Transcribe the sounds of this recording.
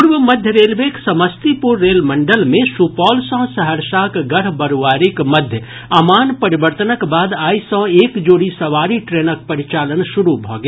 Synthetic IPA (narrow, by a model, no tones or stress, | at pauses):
ʊɾʋəmɐd̪ʱjəɾeːlʋeːksɐməst̪ipʊɾːeːlmɐ̃ɳɖəlmẽsupɔːlsɔ̃ːsɐɦəɾʃaːkɡɐɾ̤bɐɾoʋaːɾɪkmɐd̪ʱjə | ɐmaːnpɐɾɪʋəɾt̪ənəkbaːd̪aːisɔ̃ːeːkd͡ʒoːɽisɐʋaːɾiʈɾeːnək̚pɐɾɪt͡ʃaːlənʃʊɾubʱɔːɡ